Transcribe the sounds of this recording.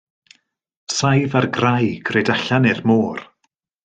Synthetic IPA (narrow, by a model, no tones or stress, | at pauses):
sajvarɡrajɡ̥reːdaɬanɪrmoːr